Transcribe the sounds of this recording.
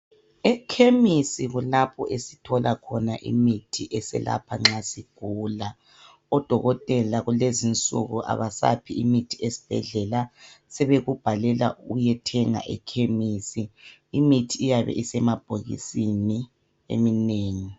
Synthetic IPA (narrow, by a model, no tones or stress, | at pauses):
ɛkʰemisiɣulapʰɔʔesitʰɔlʔakʰɔnaʔḭmitʰiʔɛsɛ̰la̰pʰaŋ͡ǁasiɡ̥ʱuːla | ɔd̥ʱɔɣɔtʼɛlaɣulezint͡sʼṵɣuʔa̰βasa̰pʰiimitʰiesi̥b̥ʱɛɮɛlasɛβeɣub̥ʱalɛla̰ʔujɛtʰɛŋa̰ʔɛkʰemisiːmitʰiːjaβɛ̰ʔisɛmab̥ʱoɣḭsini | ḛmineːŋi